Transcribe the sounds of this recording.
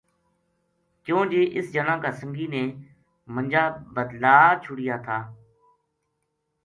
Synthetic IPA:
kjõːd͡ʒeːʔɪsd͡ʒənãːkaːsə̃ŋɡiːneː | mə̃nd͡ʒaːbəd̪laːt͡ʃʰʊɽɪjaːt̪ʰaː

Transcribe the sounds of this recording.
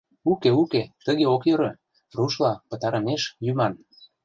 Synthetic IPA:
ukeuket̪ə̆ɣeokjøɾɤ̆ | ruʃlɑpə̆t̪ɑɾə̆meʃjymɑn

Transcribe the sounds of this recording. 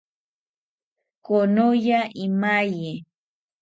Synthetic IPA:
konojaʔɪmaje

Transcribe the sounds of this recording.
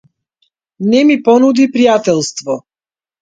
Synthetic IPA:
nɛmipɔnud̪ipɾijat̪ɛlˠst̪vɔ

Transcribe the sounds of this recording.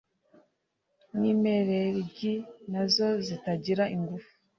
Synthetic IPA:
niːmeɾeɾɟinazo̞zitaɟiɾaʔiŋɡufu̥

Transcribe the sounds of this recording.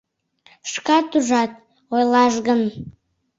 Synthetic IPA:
ʃkɑt̪uʒɑt̪̚ | ojlˠɑʃɣən

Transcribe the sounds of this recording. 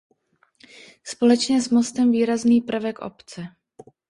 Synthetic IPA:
spo̞lɛt͡ʃɲɛsmo̞st̪ɛmviːɾazniːpɾ̩vɛkʔo̰pt͡sɛ

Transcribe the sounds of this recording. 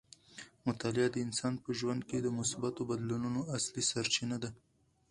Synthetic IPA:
mʊt̪alɪad̪əɪnsɑn̚pəʒwand̪̚ked̪əmʊsbat̪obad̪lununoaslisaɾt͡ʃinad̪a

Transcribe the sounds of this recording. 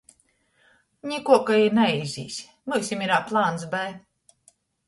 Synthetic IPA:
ɲʲikuɔkaiɾnaizʲḭːsʲ | mɨːsʲimiɾaːplˠaːnsbæj

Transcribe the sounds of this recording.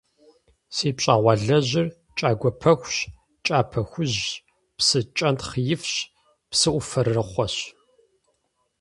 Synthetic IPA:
seːpɕʼaːʁʷɑːɮɐʑɪr | t͡ʃʼaːɡʷɔpʰɐxʷɕ | t͡ʃʼaːpʰɐxʷʊʑ | psɨt͡ʃʼɐntχjɪfɕ | psɨʔʷʊfɐrːɨχʷɔɕ

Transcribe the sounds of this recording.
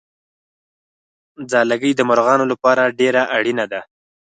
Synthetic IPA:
d͡zɑlaɡəjd̪əmʊɾɣɑnolapɑɾaɖeɾaʔaɽinad̪a

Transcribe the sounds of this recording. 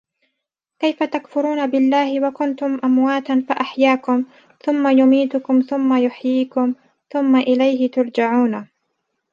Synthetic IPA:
kajfat̪akfʊɾuːnabɪlːaːhɪwakʊnt̪ʊmʔamwaːt̪anfaʔaħjaːkʊm | θʊmːajʊmiːt̪ʊkʊmθʊmːajʊħjiːkʊm | θʊmːaʔɪlajɦɪt̪ʊɾˤd͡ʒaʕuːna

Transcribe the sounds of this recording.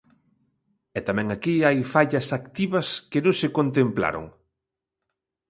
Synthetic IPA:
ɛt̪amɛ̃ŋakiajfaʎɐsakt̪iβɐskɪnõŋsɪkont̪empla̰ɾo̰ŋ

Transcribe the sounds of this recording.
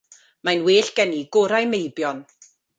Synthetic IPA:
majnweːɬɡ̥ɛniɡʊɾajmejbjɔn

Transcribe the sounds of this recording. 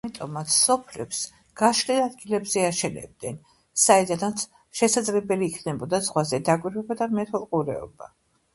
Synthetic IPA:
amit̪ʼɔmat̪sʰsɔpʰlɛps | ɡ̥aʃlɛlad̪̚ɡilɛbzɛaʃɛnɛ̰b̚d̪ɛn | saɛd̪anat̪sʰ | ʃɛsad̪zlɛbɛliːkʰnɛbɔd̪azʁwazɛd̪akʼwiɾwɛbad̪amɛt̪ʰɔlˠqʼuɾɛ̰ɔ̰ba

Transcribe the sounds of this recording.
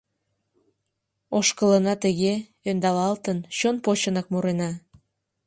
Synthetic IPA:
oʃkələnɑt̪əɣe | ønd̪ɑlɑlt̪ənɕonpot͡ɕənɑk̚muɾenɑ

